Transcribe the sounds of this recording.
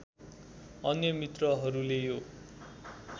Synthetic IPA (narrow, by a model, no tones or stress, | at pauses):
ʌnjʌmit̪rʌɦʌɾulejo